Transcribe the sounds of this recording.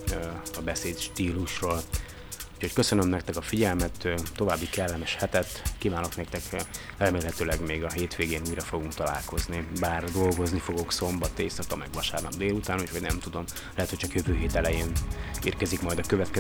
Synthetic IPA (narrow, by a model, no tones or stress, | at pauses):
ɒbɛseːt̪ʃt̪iːluʃroːl | u̥cho̞ckø̞sønømnɛk̚t̪ɛkɒfiɟɛlmɛt̪tːo̞vaːbːikɛlːɛmɛʃhɛt̪ɛt̪ːkivaːno̞knɛkt̪ɛk | rɛmeːlɦɛt̪øːlɛɡmeːɡɒɦeːt̪ʋeːɡeːnuːjɾɒfo̞ɡuŋkt̪ɒla̰ːlko̞znibaːrd̪o̞lɡo̞znifo̞ɡo̞kso̞mbɒt̪ːeːsɒkɒmɛɡʋɒʃa̰ːrnɒbd̪eːlut̪aːnucʰhoɟnɛmt̪ud̪o̞m | lɛɦɛt̪hc̚t͡ʃɒkjøvøːɦeːt̪ɛlɛjeːnḭːrkɛzikmɒjd̪ɒkøvɛt̪kɛ